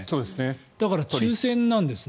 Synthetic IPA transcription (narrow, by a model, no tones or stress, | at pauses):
soːd̪esned̪̥akaɾat͡ɕɨːsẽ̞nːãnd̪e̞sɨ